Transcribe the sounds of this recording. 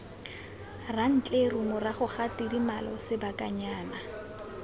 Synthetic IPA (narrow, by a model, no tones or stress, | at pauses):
ran̩t͡ɬʼerumʊraχʊχatidimalɔ̰sɪbakʼaɲaːna